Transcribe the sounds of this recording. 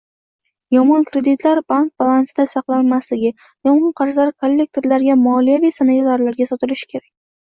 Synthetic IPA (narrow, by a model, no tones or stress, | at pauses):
jɒmɒnkɾe̞d̪ɪt̪ʰlaɾbank̚balˠansɪd̪asɑqlˠanmaslɪɡʲɪ | jɒmɒnqʰɑɾzaɾkʰolːe̞k̚t̪ʰe̞ɾlaɾɡʲamʊɒːlijavijsanajazaɾlaɾɡʲasɒt̪ɪlɪʃɪ̥kʲʰe̞ɾakʲ